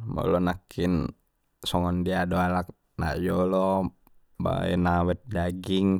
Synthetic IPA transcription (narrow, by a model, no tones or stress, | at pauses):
mɔ̰lɔnakʰin | sɔŋɔndiadoalak̚ | na̰jɔlɔ | ba̰ɛ̰nawɛt̪̚daɡiŋ